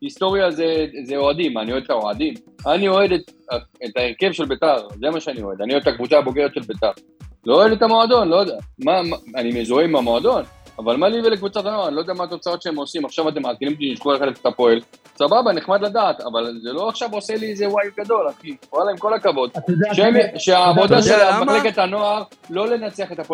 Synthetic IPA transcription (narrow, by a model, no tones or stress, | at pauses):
ist̪o̞ʁjazezeoad̪imanioed̪t̪aoʕad̪im | anio̞ed̪et̪aet̪aeʁke̞vʃe̞lbe̞t̪aʁzemaʃeanio̞e̞d̪anioed̪et̪akvut͡saːbo̞ɡe̞ʁet̪ʃe̞lbet̪aʁ | looed̪e̞t̪amo̞ad̪o̞nlojodamamaanimezoeimamoad̪o̞n | avalmaliivelekvut͡sat̪ano̞aʁanilod̪eamaːt̪o̞t͡sao̞t̪ʃeemo̞simaχʃavat̪̬emːaakelimot̪iʃʃχueχeefe̥t̪apo̞el | sababaneχmad̪lad̪aːt̪a̰valzelo̞aχʃavose̞liezewajɡad̪o̞lakioalaemko̞lakavo̞d̪ʃeemʃeaːvo̞d̪aʃelamaχleket̪ano̞aʁ | lo̞le̞nat͡seaχe̞t̪apo